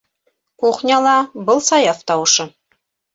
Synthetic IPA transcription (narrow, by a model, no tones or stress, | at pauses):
uqnʲɑlˠɑbɤlˠsɑjɑft̪ɑwɤ̆ʃɤ